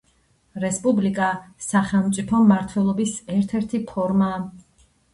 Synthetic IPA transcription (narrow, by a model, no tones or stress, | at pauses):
ɾɛspʼublikʼasaχɛlˠmt̪sʼipʰɔmːaɾt̪ʰwɛlˠɔbisɛɾt̪ʰɛɾt̪ʰipʰɔɾmaː